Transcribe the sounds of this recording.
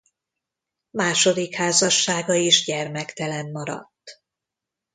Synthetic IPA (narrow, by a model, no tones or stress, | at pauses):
maːʃo̞d̪ikhaːzɒʃːaːɡɒiʒɟɛrmɛkt̪ɛlɛnmɒɾɒ̰t̪ː